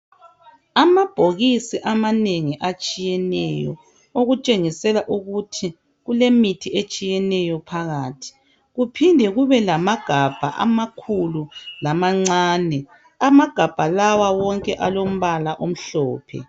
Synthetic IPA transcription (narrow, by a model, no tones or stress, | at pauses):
amab̥ʱoɣisiʔamaneŋiʔat͡ʃʼijɛnɛ̰jɔ̰ | oɣut͡ʃʼeŋisɛlaʔuɣutʰi | ɣulemitʰiet͡ʃʼijɛnɛjɔpʰaɣaːtʰi̥ | ɣupʰindʱɛɣuβɛlamaɡ̥ʱab̥ʱa̰ʔa̰makʰululamaŋ͡ǀaːnɛ | amaɡ̥ʱab̥ʱalawawɔŋkʼɛʔalom̩βalaʔom̩ɬɔ̰ːpʰɛ̰